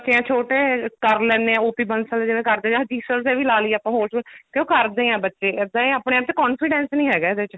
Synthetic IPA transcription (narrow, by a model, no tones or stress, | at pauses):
ət͡ʃːʃeːãːt͡ʃʰoːʈeːkəɾlɛːneːɛ̃ːoːpiːbənsəld͡ʒɪʋẽːkəɾd̪ẽːd͡ʒaːd̪iːsəɾsɛːʋiːlaːliːaːpãːɦoːɾsəkjõːkəɾd̪ẽːãːbətːʃeːɪd̪ãːiːaːpɳeːaːp̚t̪eːkɔːnfɪɖɛ̃ːnsnĩːɦɛːɡaːɪd̪eːt͡ʃ